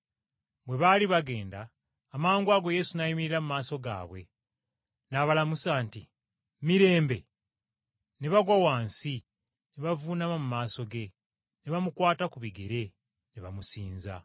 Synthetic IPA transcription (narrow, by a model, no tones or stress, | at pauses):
bwe̞βaliβaɡe̞ːndaː | maːŋɡwaɡo̞je̞sunajimiɾilamumaːso̞ɡa̰ːβwe̞̰ | naβalamusaːnti | miɾe̞ːmbe̞̰ | neβaɡwawaːnsi | neβavuːnamomumaːso̞ɡe̞ | neβamukwaːtakuβiɡeɾe̞ | neβamusiːnza̰